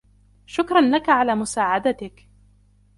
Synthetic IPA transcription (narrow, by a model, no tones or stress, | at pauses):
ʃʊkɾˤɑnlakaʕalaːmʊsaːʕad̪at̪ɪk